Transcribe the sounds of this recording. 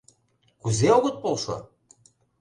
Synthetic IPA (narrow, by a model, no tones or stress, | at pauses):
kuzeoɣɤ̆t̪̚polʃo̰